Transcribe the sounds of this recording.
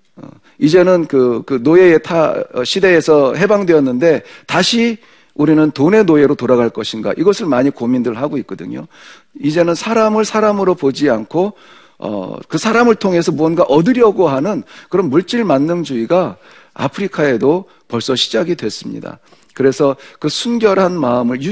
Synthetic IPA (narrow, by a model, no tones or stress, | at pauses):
ʌ̰ | id͡ʑe̞nɯnkɯkɯnoeetʰa̰ɕʰide̞ːsʰʌɦe̞baŋdweʌnːɯnde̞taɕʰi | uɾinɯntone̞noe̞ɾotoɾaɣaɭk͈ʌɕʰinɡa̰ʔiɡʌsʰɯɭmaɲikomindɯɯɭhaɡoik̚k͈ʌdɯɲo̰ | id͡ʑe̞nɯnsʰaɾamɯɭsʰaɾamɯɾopod͡ʑiankʰo | ʌ̰kɯsʰaɾamɯɭtʰoŋe̞sʰʌmuʌnɡaʔʌdɯɾjʌɡoɦanɯnkɯɾʌnmuɭt͡ɕ͈iɭmanːɯnd͡ʑuiɡa | a̰pʰɯɾikʰae̞do | pʌɭs͈ʌɕʰi̥d͡ʑaɡidwe̞s͈ɯmɲḭda̰ | kɯɾe̞sʰʌkɯsʰunɡjʌɾɦanmaɯmɯɭju